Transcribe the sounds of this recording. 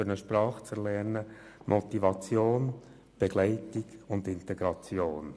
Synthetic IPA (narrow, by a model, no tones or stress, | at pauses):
ɾnəʃpɾɑːχt͡sɛɾlɛɾnə | mʔɔt̪ivɑt͡sjoːn | b̥eɡlɛɪtiɡʊndɪnteɡɾɑt͡sjoːn